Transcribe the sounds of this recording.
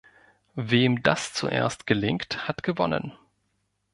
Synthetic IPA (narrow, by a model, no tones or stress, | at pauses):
veːmda̰st͡sṵʔḛːɐstɡ̥əlɪŋkthatɡ̥əvɔnə̰n